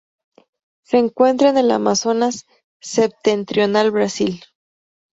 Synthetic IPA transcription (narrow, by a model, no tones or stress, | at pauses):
se̞ːŋkwe̞nt̪ɾaene̞la̰maso̞nasː | e̞p̚t̪e̞nt̪ɾjo̞nalβɾasil